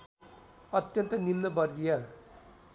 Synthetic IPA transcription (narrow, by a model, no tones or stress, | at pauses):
ʌt̪jʌnt̪ʌnimnʌbʌɾɡija